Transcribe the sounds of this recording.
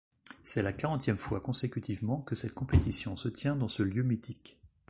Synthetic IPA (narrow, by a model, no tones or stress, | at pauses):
sɛlakaʁɑ̃t̪jɛmfwakɔ̃sekʲyt̪ʰivmɑ̃kəsɛt̪̚kɔ̃pet̪isjɔ̃sət̪jɛ̃d̪ɑ̃səljømit̪ʰik